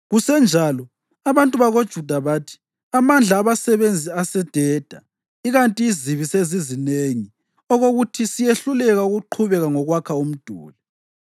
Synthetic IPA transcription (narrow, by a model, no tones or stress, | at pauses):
ɣusɛnd͡ʒʱalɔ | aβantʼuβaɣod̥ʒ̥ʱud̥ʱaβaːtʰi̥ | amand͡ɮʱaːβasɛβend͡zʱiasɛd̥ʱɛːd̥ʱa | iɣantʼiːziβisezizineŋi | ɔɣoɣutʰisijeɬulɛɣauɣuǃʰuβɛɣaŋɔɣwakʰaum̩d̥ʱṵːlɛ